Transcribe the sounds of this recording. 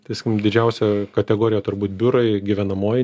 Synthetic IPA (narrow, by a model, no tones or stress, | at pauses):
t̪ɐɪsʲkʲɪmd̪ʲɪd͡ʒʲɛʊsʲɛkɐt̪ʲɛɡoːɾʲɪjɛt̪ʊɾbuːt̪̚bʲʊɾɐɪɡʲɪʋʲɛnɐmoːj